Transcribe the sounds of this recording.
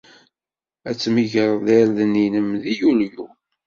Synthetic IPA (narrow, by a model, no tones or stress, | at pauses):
æt͡sːmiʝəɾˤðæɾðninəmðijulju